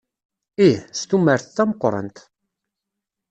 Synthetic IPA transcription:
ihst̪umːəɾθθæməqːɾˤə̰nt̪

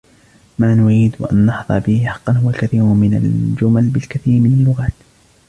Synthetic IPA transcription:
maːnʊɾiːd̪wa̰ʔa̰nːɑħðˤɑ̰ɾbɪhɪħɑ̥qːɑnɦʊwalkaθiːɾʊmɪna̰ld͡ʒʊmalbɪlkaθiːɾmɪnalːʊɣaːt̪

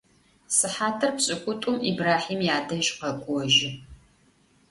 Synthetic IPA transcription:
sɨħaːtʰɐrpɕʼɪkʷʼʊtʼʊmibraːħiːmjaːdɐʒqɐkʷʼɔʒɪ

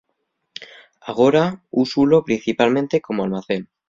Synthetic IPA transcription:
aɣ̞o̞ɾausulopɾin̟θipalmẽnt̪eko̞moalmaθen

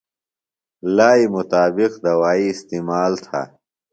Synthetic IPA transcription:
laːimut̪aːbiqd̪ɐwaːiːst̪iːmaːlt̪ʰa̰ː

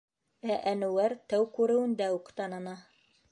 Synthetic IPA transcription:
æʔænɘwæɾt̪æwkʉɾɘ̆wɘ̆nd̪æuqt̪ɑnɤ̆nɑ

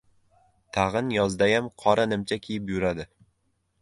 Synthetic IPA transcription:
t̪ʰaʁɨnjɒzd̪ajamqʰɒɾanɪmt͡ʃʰakʲʰejɪpjʊɾad̪ɪ

